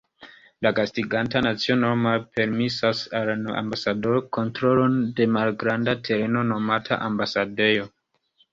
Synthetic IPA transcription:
lakastiɡantanat͡sio̞nomalpe̞ɾmisasala̰mbasado̞ɾko̞ntɾo̞lo̞nde̞malɡɾandatʰe̞ɾe̞no̞no̞matʰa̰ʔambasade̞jo̞

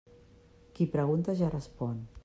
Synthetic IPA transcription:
kipɾəɣ̞unt̪aʒarəspɔn

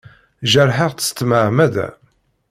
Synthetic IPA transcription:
ʒəɾˤħəʁt̪ə̥st̪məʕmæd̪æ̰

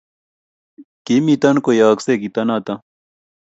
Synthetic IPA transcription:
kimit̪ɐnkojaːksekit̪ɐnat̪ɐ

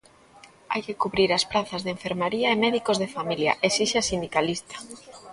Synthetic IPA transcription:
a̰jkɪkuβɾiɾɐspɾaθɐzðeɱfeɾmaɾiɐemɛðikozðefamiljɐ̰ʔesiʃasind̪ikalist̪ḁ

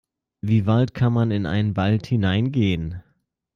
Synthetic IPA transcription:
viːvaltkʰanmanɪnʔa̰ɪnənvalthɪnaɪnɡeːən

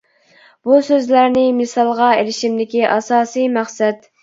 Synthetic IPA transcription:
b̥usøzlæɾnɪmɪsɑlˠʁɑelɪʃimd̪ɪkʲiʔɑsɑːsijmæχsɛt̪

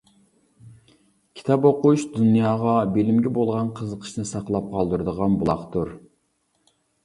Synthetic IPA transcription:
kʲʰi̥t̪ʰɑpoquʃd̪unjɑːʁɑbelɪmɡʲɛbolˠʁɑnqʰəzəqʰə̥ʃnɨsɑqlˠɑp̚qʰɑlˠd̪uɾɨd̪əʁɑnbulˠɑ̰χt̪uɾ

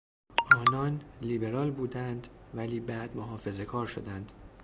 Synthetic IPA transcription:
ʔɒːnɒːnliːbe̞ɾɒːlbuːd̪ænd̪væliːbæd̪moɦɒːfe̞ze̞kʰɒːɾʃo̞d̪ænd̪̥

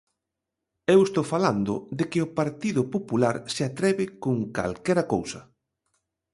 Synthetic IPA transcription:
ewest̪owfaland̪ʊ̰ðɪkɪʊpaɾt̪iðʊpopulaɾsɪat̪ɾɛβɪkoŋka̰lkɛɾɐkowsɐ

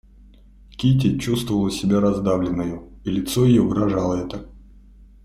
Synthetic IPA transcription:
kʲit̬ʲɪt͡ɕːust̪vəvəlˠəsʲɪbʲaɾɐzd̪avlʲɪnːəjʊilʲɪt̪sojɪjovɨɾɐʐalˠəɛt̪ə

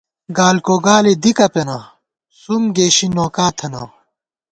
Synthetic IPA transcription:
ɡaːlkoɡaːled̪ikɐpenɐ | sumɡeːɕinoːkaːt̪ʰɐnɐ̰

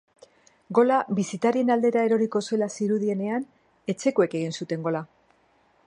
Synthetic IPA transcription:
ɡo̞laβisit̪aɾie̞nald̪e̞ɾae̞ɾo̞ɾiko̞sue̞lasiɾuðie̞ne̞an | e̞t͡se̞koe̞ke̞ɣ̞insut̪e̞ŋɡo̞la

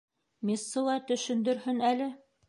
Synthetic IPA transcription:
mʲisːɤ̆lˠɑt̪ɵ̆ʃɵ̆nd̪ɵ̆ɾhɵnælɘ

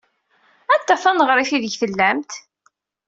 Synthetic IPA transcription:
ænt̪ːæθænʁɾˤiθiðəʝθəlːæmt̪

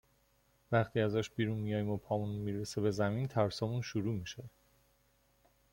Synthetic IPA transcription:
væχt̪ʰiːæzæʃbiːɾunmijɒːjimopʰɒːmunmiːɾesebe̞zæmint̪ʰæɾsɒːmunʃuɾuːmiːʃe

